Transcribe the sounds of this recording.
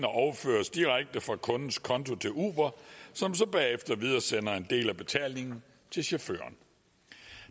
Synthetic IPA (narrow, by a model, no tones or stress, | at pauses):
nɐʔɒʊɐfø̰ːɐsd̥iʁaɡ̥̚d̥əfʁɑ̈kʰɔ̽nn̩skʰɒ̽nt͡sʰo̝t͡sʰe̝lṵːb̥ɐsɒ̽msɒ̽b̥ɛːefd̥ɐʋið̞ˠɐsen̰ɐe̝nd̥e̝̰ːlæb̥e̝t͡sʰɛ̰lne̝ŋn̩ | t͡sʰe̝lɕo̝fø̰ːɐn